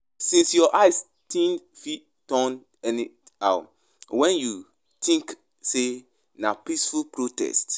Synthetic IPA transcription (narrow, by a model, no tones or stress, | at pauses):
sĩnsjɔʔaɪs | tĩnfi | tɔ̃n | ɛniaʊ | wɛ̃nju | tʰĩŋk | se | napisfulpɹotɛ̰st